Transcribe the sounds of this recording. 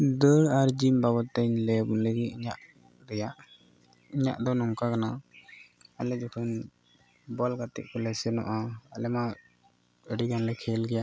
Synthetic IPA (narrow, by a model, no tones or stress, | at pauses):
d̪əɽaɾd͡ʒimbabɔt̪ːɛɲlɛbunləɡiiɲaʔ | ɾɛjaʔ | iɲa̰ʔd̪ɔnɔmkakana | alɛd͡ʒɔkʰən | bɔlɡat̪ɛ̰ʔkɔlɛsɛnɔ̰ʔaalɛma | əɖiɡanlɛkʰɛlɡɛjaʔ